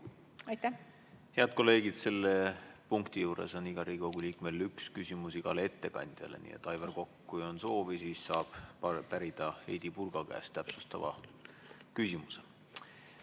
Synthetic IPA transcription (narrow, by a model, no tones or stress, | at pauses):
ɑjt̪ːˑæh | heɑd̪̚ko̞lːe̞ːɡid̪̥se̞lːe̞puŋkt̪ijuːɾe̞̰so̞niɡ̥ɑɾiːkowɡ̥uliːkme̞lykskysʲimusiɡ̥ɑlee̞t̪ːe̞kɑ̰nʲd̪̥jɑ̰lḛnḭːḛt̪ːˑɑjvɑrko̞kːuo̞nso̞ːvisiːssɑːb̥pæɾid̪̥ɑejd̪̥ipurɡ̥ɑkæ̰ːst̪æpsust̪ɑvɑ̰ | kysʲimuse